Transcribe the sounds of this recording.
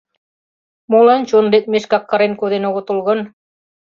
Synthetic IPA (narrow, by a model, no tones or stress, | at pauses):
molɑnt͡ɕond̪et̪̚meʃkɑkːɑ̆ɾenkoðenoɣŏt̪ulɣɤ̆n